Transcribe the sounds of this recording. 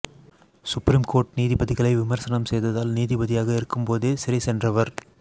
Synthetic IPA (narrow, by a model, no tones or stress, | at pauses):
sʊpɾiːmkoːʈ̚niːðɪbɐðɪɣɐɭɐɪʋɪmɐɾsɐnɐmsɛjðɐðaːlniːðɪbɐðɪjaːɣɐɪɾɯkːɯmpoːðeːsɪɾɐɪsɛndrɐʋɐɾ